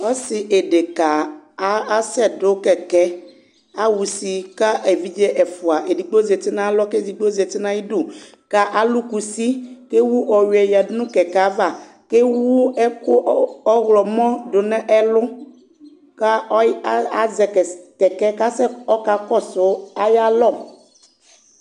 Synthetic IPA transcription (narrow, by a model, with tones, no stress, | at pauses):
ɔ˦si˨ʔe˨ɖe˨ka˨a˦a˦sɛ˦do˦kɛ˨kɛ˦ | a˦wu˨si˨ka˦ʔe˨vi˦d͡ʒe˦ʔɛ˨fʊ˨a˨ʔe˨di˨ɡ͡bo˦ze˨t̪i˦nã˦lɔ˦ke˦d͡zi˨ɡ͡bo˦ze˨t̪i˦nã˦ji˦ɖo˨ | ka˦ʔa˦lu˦ku˨si˦ke˦wu˦ʔɔ˨wi˨ɛ˨ja˨dnũ˦kɛ˨ka˨˦va˨ | ke˦wu˦ɛ˦kʊ˦ɔ˦ɣlɔ˨mɔ̃˦ɖʊ˨nɛ̃˦ʔɛ˦lʊ˦ | ka˦a˦a˦zɛ˨ɛ˨kɛ˨kɛ˦ka˦sɛ˦ɔ˦ka˨kɔ˦sʊ˨˦a˦ja˦lɔ˦˨